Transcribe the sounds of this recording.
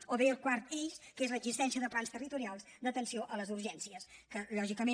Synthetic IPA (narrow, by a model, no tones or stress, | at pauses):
oβeəlˠkwaɾt̪eʃkezləɡzist̪ɛnsiəðəplanst̪ərit̪uɾialˠzd̪ət̪ənsioʔələzuɾʒɛnsiəskəʎɔʒikəme